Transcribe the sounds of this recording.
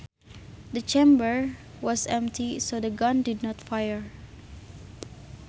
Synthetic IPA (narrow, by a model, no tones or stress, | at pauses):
d̪ət͡ʃẽmbəɹ | wɔsɛ̃mptʰisodəɡɔ̃ndidnɔtfajəɹ